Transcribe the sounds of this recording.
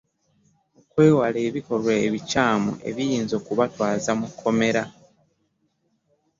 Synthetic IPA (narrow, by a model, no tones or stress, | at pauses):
okwe̞ːwale̞ːβiko̞lwaeβicaːmo̰ʔe̞̰βijiːnzo̞ːkuβatwaːzamukʰːo̞me̞ɾa